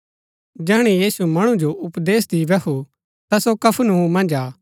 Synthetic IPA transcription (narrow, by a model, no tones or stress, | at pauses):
d͡ʒɛɦɽ̃ijiːsumɐɽ̃ũd͡ʒoʔʊpd̪eːsd̪iʋɛku | t̪asokɐpʰnuɦũmɐ̃nd͡ʒaː